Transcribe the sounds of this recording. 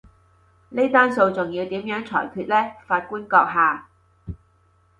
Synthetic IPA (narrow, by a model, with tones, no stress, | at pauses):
ne˥t̪aː˥nso˧wt͡sʊ˨ŋjiː˨˧wt̪iː˨˥mjœː˨˥ŋt͡sʰɔ̰ː˨˩jkʰyː˧t̚lɛː˥faː˧t̚kuː˥nkɔː˧k̚ɦaː˨˩